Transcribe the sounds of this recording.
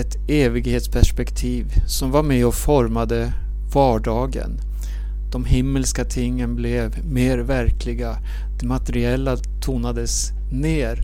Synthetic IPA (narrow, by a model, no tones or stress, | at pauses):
ɛt̪eːvɪɡheːt̪spʰæʂpɛkt̪ʰiːvsɔmvaɾmɛɔfɔɾmad̪ə | vɑːɖɑːɡə̰n | d̪̥ɔmɦɪmːəlskat̪ʰɪŋːənblɛv | meːɾvæɾkʰlɪɡa | d̪̥ɛmat̪əɾɪɛlːa | t̪ʰuːnad̪əs | neːɾ